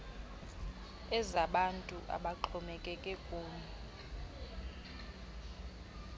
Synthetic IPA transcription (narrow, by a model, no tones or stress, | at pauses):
ɛzaɓantʼuʔa̰ɓaǃʰɔmɛkʼɛkʼɛkʼuːɲɛ